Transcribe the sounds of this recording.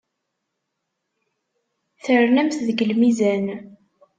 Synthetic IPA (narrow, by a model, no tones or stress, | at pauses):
θəɾnæmθðɡəlmizæn